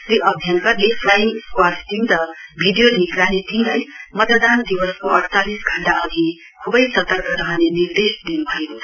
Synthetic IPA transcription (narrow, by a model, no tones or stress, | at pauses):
ɾiʔʌbʱjʌnkʌleflajkwatt̪ind̪ʌbʱiɖijolnikɾanet̪ʰilajmʌt̪əd̪and̪iwʌskoʌɽt͡salisɡʱʌɳʈaʌɡʱi | kʰubʌjsʌt̪ʌrkʌɾaɦanenird̪esd̪inubʱʌeko